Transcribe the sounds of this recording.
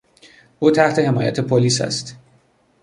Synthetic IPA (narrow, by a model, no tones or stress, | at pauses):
ʔuːt̪ʰæht̪ʰe̞he̞mɒːjæ̰t̪ʰe̞pʰoliːsæ̰st̪